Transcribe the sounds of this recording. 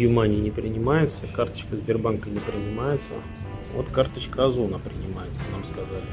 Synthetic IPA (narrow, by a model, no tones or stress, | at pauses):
jʊmanʲɪnʲɪpɾʲɪnʲɪmajɪt̪səkart̪ə̥t͡ɕkəzʲbʲɪrbankənʲɪpɾʲɪnʲɪmajɪt̪sə̰ | vo̰t̪kart̪ət͡ɕkəɐzunapɾʲɪnʲɪmajɪt̪sənamskɐzalʲɪ